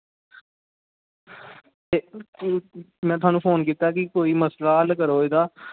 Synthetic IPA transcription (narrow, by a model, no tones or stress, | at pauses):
t̪eː | mɛ̃ːt̪ʊaːnũːpʰoːnkiːt̪aːkɪkoːiːməslaːəlkəɾoːeːd̪aː